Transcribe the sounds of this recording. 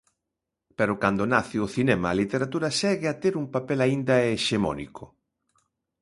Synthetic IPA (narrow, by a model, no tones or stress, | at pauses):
peɾʊkand̪ʊnaθɪʊθinɛmɐːlit̪eɾat̪uɾɐsɛɣeat̪eɾumpapɛlaind̪ɐeʃemɔ̰nḭkʰʊ